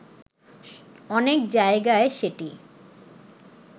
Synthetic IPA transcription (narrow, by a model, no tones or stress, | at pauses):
ɔnekd͡ʑaeɡaeʃeʈi